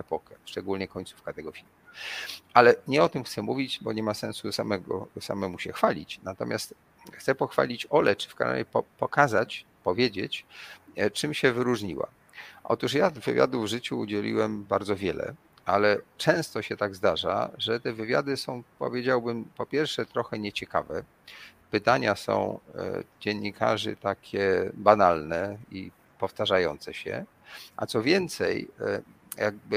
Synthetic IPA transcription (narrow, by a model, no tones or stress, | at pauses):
ɛpɔkɛʂt͡ʂɛɡulɲɛkɔɲt̪su̥fkat̪ɛɡɔfʲilmuʔalɛɲɛɔt̪ɘmxt̪sɛmuvʲit͡ɕbɔɲɛmasɛ̃nsusamɛɡɔ̰sa̰mɛmuɕɛxfalʲḭt͡ɕnat̪ɔmʲjast̪ | xt̪sɛpɔxfa̰lʲit͡ɕɔlɛt͡ʂɘ̥fka̰na̰ɲʲɛpɔpɔkazat͡ɕ | pɔvʲjed͡ʑet͡ɕ | t͡ʂɘmɕɛvɘɾuʐɲḭwa̰ | ʔɔ̰t̪uʂ̬javɘvʲja̰d̪uvʐɘt͡ɕṵːd͡ʑɛlʲḭwɛmbaɾd̪zɔvʲjɛlɛ̰ | alɛt͡ʂɛ̃w̃st̪ɔɕɛt̪aɡzd̪aʐa̰ʐɛt̪ɛvɘvʲja̰d̪ɘsɔ̃w̃pɔ̰vʲjed͡ʑawbɘmpɔpʲjɛɾfʂɛt̪ɾɔxɛɲɛt͡ɕɛka̰vɛ | pɘt̪aɲasɔ̰̃w̃d͡ʑeɲːikʰa̰ʐɘ̰t̪akʲʰɛbanalnɛḭ | pɔft̪aʐajɔnt̪sɛɕɛ̰ | ʔa̰t̪sɔvʲjɛnt̪sɛj | jaɡ̚bɘ